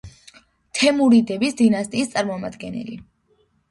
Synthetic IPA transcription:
t̪ʰɛmuɾid̪ɛbisd̪inast̪ʼiːst̪sʼaɾmɔmad̪ɡɛnɛ̰lḭ

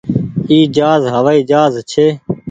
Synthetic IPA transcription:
iːd͡ʒaːzɦəʋaːiːd͡ʒaːzt͡ʃʰeː

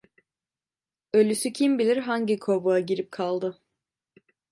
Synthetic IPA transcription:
ø̞lʲysycʰimbilʲiɾɦaɲɟikʰobuaɟiɾip̚kʰalˠd̪ɯ

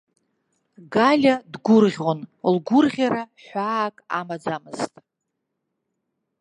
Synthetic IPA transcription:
ɡalʲadɡʷʊrʁʲonlɡʷʊrʁʲaɾaħʷaːkʼa̰mad͡zamɨztʼ

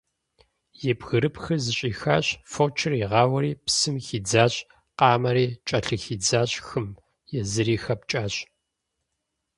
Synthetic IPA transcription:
jɛbɣɨɾɨpʰxɨzɨɕʼiːxaːɕfoːt͡ʃʰɪriːʁɑːwɐɾiːpsɨmxiːd͡zaːɕʼ | qɑːmɐɾiːt͡ʃʼɐɬɨxiːd͡zaːɕʼxɨm | jɛzɨɾiːxɐp̚t͡ʃʼaːɕʼ

